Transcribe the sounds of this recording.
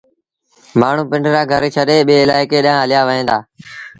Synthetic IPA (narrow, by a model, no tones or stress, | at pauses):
maːɳ̤ũːpɪɳɖɾaːɡʱəɾet͡ʃʰəɗeːɓeːɪlaːɪkeːɗɪãːɦəlɪjaːʋəɦẽːnd̪aː